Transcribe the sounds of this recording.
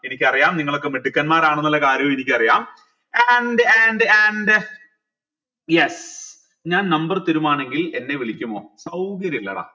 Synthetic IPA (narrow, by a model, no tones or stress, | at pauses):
e̞nikʲːɨɐrijaːmniŋːɐɭo̞kːe̞meɖikːɐnmaːɾaːɳenːɐlːɐkaːɾjɐjmenikʲːɨɐrijaːm | enɖenɖɐnɖɨ | jes | ɲaːnnɐmbɐrt̪iɾumaːɳe̞ŋɡile̞nːe̞ʋiɭikʲːumːo̞̰ːsɐwkɐɾjlːɐ̰ða̰ː